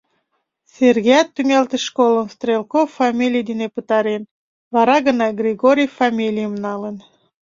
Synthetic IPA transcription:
serɣejɑt̪ːymelt̪eʃkoləmst̪rʲelˠkoffːɑmʲilʲijd̪inepət̪ɑɾen | vɑɾɑɣənɑɡrʲiɣoɾʲijfɑmʲilʲijəmnɑlən

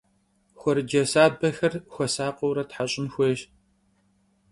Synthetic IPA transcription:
xʷɔɾɨd͡ʒɐsaːbɐxɐrxʷɔsaːqɔwɾɐtħaɕʼɪnxʷeːɕ

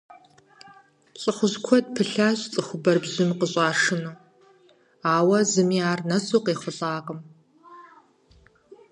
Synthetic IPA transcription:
ɕʼɪχʷʊʑkʷʰɔd̚pʰɨɬaːɕʼt͡sʼɨxʷʊbɐrbʑɪmqəɕʼaːʂɨnuː | aːwɐzɨmiaːrnɐsuːqeːχʷʊɬʼaːqʼəm

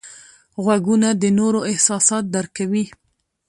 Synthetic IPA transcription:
ɣwaɡunad̪ənoɾoɪhsɑsɑt̪̚d̪aɾkawi

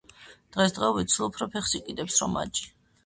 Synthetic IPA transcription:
d̪̥ʁɛsd̪ʁɛɔbit̪sʰulˠupʰɾɔpʰɛχsikʼid̪ɛpsɾɔma̰t͡ʃʼi̥

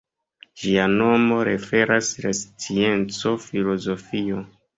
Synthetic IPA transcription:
d͡ʒiano̞mo̞ɾe̞fe̞ɾaslast͡sie̞nt͡so̞filo̞zo̞fio̞

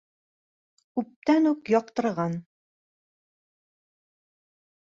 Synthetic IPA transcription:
kʉp̚t̪ænʉkjɒq̚t̪ɤ̆ɾʁɑn

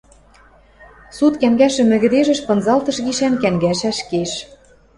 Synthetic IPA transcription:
sut̪kæŋɡæʃɘ̆mɘ̆ɣɘ̆d̪eʒɘ̆ʃpɤ̆nzɑlt̪ɤ̆ʃɣiʃænkæŋɡæʃæʃkeʃ

